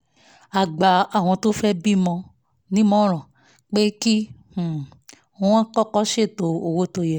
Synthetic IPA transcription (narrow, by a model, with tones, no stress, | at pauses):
a˨ɡ͡ba˨a˨w̃ɔ̃˧to˦fɛ˦bi˦mɔ̃˧ | nĩ˦mɔ̃˦l̃ɔ̃˨ | k͡pe˦ki˦h̩˨˦ | ã˦kɔ˦kɔ˦ʃe˦˨to˨o˨wo˦to˧jɛ˨